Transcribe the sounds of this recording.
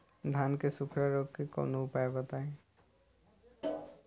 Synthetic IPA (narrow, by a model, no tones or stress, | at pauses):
d̪ʱaːnkesʊkʰɾaɾoɡkekɔ̰noʊpaːebət̪aẽ